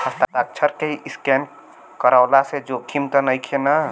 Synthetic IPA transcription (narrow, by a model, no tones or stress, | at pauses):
həst̪at̪ak̚t͡ʃʰəɾkeiʔiskɛn | kəɾaʊlased͡ʒokʰimt̪ənəjkʰenə